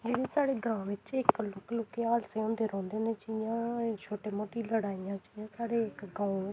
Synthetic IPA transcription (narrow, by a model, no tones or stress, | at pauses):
d͡ʒeːɽeːsaːɽeːɡãːʋɪt͡ʃɪklʊkloːkeːaːlseːɔ̃ːnd̪eːɾɔ̃ːnd̪eːneːt͡ʃːijãːt͡ʃʰoːʈeːmoːʈiːləɽaːijãːt͡ʃaijãːsaːɽeːɪkɡãːũ